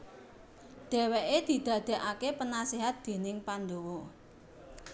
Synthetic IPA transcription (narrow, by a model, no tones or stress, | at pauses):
ɖ̪̥e̤weʔed̪̥i̤d̪̥a̤d̪̥e̤ʔakepənaseɦat̪̚d̪̥e̤nɪŋpandowɔ